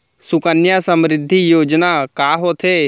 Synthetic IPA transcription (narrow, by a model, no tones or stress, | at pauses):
sʊkənjasə̃mɾɪd̪ʱːijoːd͡ʒnakaːɦot̪ʰeː